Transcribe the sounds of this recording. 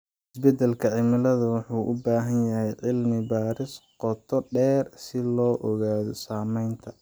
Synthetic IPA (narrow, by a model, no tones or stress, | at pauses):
ʔɪsbɛd̪ɛlkʰɐʕɪmɪlɐðɐwʊħuːʔʊbaːɦɐnjɐɦɛjʕɪlmɪbaːɾɪsqɔt̪ʰɔɖɛːrsɪlɔːʔɔɣaːðɔsaːmɛjnt̪ʰɐ